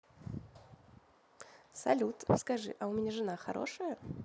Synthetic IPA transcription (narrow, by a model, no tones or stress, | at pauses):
sɐ̰lʲut̪skɐʐɨ̰ʔɐʊmʲɪnʲeʐɨnaxɐ̰ɾo̞̰ʂəjə